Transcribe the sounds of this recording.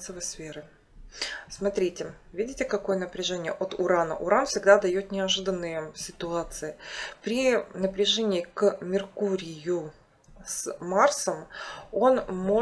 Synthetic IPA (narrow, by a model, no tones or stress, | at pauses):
səvəsfʲeɾɨ | smɐt̪ɾʲitʲɪ | vʲidʲɪtʲɪkɐko̞jənəpɾʲɪʐɛnʲɪjəʔot̪ʊɾanə̰ʔʊɾanfsʲɪɡd̪ad̪ɐjo̞t̪nʲɪɐʐɨd̪ənːɨjəsʲɪt̪ʊat̪sɨɪpɾʲɪnəpɾʲɪʐɛnʲɪːkmʲɪrkuɾʲɪjʊ | smarsəmo̞nmo̞